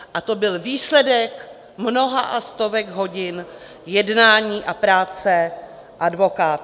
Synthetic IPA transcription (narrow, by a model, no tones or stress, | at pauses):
ʔat̪o̞bɪlviːslɛdɛk | mno̞ɦaʔast̪o̞vɛɡɦo̞ɟɪn | jɛdnaːɲiːʔapɾaːt͡sɛ | ʔadvo̞kaːt̪